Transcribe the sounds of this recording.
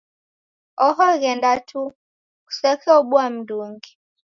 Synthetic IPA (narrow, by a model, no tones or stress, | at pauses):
ɔɦɔɣɛndatʰu | ku̥sɛkʰɛɔɓuam̩duŋɡi